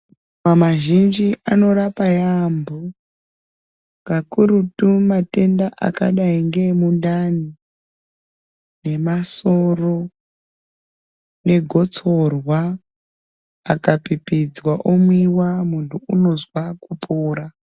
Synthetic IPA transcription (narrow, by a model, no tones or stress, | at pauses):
mamaʒind͡ʒiʔano̞ɾapajambo | ŋɡakuɾutumate̞ndaʔa̰kaɗaiŋɡe̞mundani | ne̞maso̞ro̞ | ne̞ɡʱo̞t͡so̞rwa | kapipid͡zwaʔomwiwamuntʰuuno̞zwakupʰuːɾa